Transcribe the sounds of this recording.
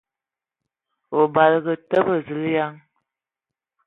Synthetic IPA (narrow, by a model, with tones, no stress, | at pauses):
o˨ba˨lɡə˨tə˦bə˦˨zə˨lja˦ŋ